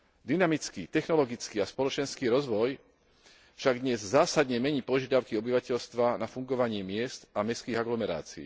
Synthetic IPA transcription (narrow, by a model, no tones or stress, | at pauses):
d̪inamit͡skiːt̪ɛxnɔlɔɡit͡skiːaspɔlɔt͡ʃɛnskiːɾɔzʋɔj | fʃaɡd̪ɲɛzzaːsad̪ɲɛmɛɲiːpɔʒɪad̪aʊkiɔbiʋacɛʎst̪ʋanafuŋɡɔʋaɲɪɛmɪɛst̪amɛskiːɣaɡlɔmɛɾa̰ːt͡sḭː